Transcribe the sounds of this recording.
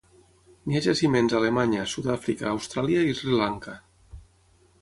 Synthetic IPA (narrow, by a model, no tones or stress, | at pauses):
miaʒasimenzalemaɲasut̪afɾika̰ːwst̪ɾaljaizɾilaŋka